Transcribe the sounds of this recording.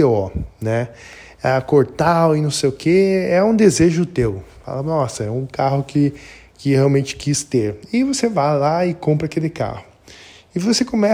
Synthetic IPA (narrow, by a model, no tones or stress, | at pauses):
eɔnɛ | akoɾt̪awɪnɐ̃w̃sejʊkʰeɛũd̪ezeʒʊt̪ewfa̰lɐnɔsɐɛũkahʊkɪ | kɪheawmẽnt͡ʃɪ̥kist̪eɾɪvosevajlaɪkõmpɾɐkelɪka̰hʊ | ɪvosekõmɛ